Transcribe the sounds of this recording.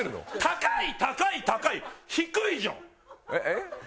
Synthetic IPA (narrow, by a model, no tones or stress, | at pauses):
ɾɯno̰t̪ʰakait̪akait̪akaiçikɯiʑõ̰ː | ee